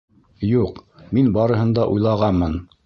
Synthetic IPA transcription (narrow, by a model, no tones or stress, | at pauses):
juqminbɑɾɤ̆ɦɤ̆nd̪ɑʔujlˠɑʁɑnmɤn